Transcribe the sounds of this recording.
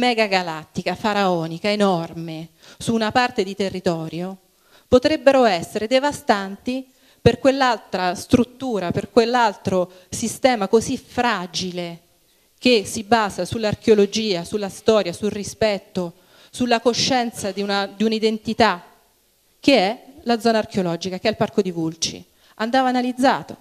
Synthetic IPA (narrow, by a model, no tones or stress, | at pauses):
mɛɡaɡalat̪ːikafaɾaɔːnikaenɔrme | suːnapart̪ed̪it̪erːit̪ɔːɾjo | pot̪ɾebːeɾoɛsːeɾed̪evast̪ant̪i | perkwelːalt̪ɾast̪ɾut̪ːuːɾaperkwelːalt̪ɾo | sist̪ɛːmakozifɾad͡ʒile | k̟esːibaːzasulːark̟eolod͡ʒiːasulːast̪ɔːɾjasulrispɛt̪ːo | sulːakoʃːɛnt̪sad̪iunad̪iunaid̪ent̪it̪a | k̟eɛlad̪zɔːnark̟eolɔd͡ʒikakeɛlparkod̪ivult͡ʃḭ | and̪aːvaːnalid̪zːa̰ːt̪o